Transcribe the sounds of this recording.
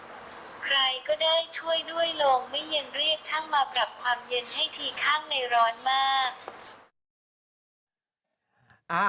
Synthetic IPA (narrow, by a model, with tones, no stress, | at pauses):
kʰɾa˧jkɔː˥˩daː˥˩jt͡ɕʰu˥˩əjdu˥˩əjlo˧ŋma˥˩jːa˧ŋɾi˥˩ək̚t̪ʰa˥˩ŋmaː˧pɾa˨˩p̚kʰwaː˧mje˧nha˥˩jt̪ʰiː˧˩kʰaː˥˩ŋna˧jɾɔː˦˥nmaː˥˩k̚